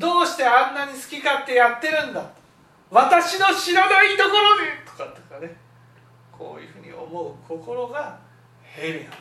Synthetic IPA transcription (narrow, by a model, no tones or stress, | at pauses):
d̪o̞ːɕi̥t̪e̞ãnːaɲ̟isɨ̥kʲikat̪ːe̞jat̪ːe̞ɾɯ̟̃nd̪at̪o | βat̪aɕino̞ɕiɾanait̪o̞ko̞ɾo̞d̪e̞t̪o̥kat̪o̥kane | kʰo̞̰ːjɯ̟ɸɯ̟ːɲ̟ḭʔo̞̰mo̞ɯ̟kʰo̞ko̞ɾo̞ɡa | heɾija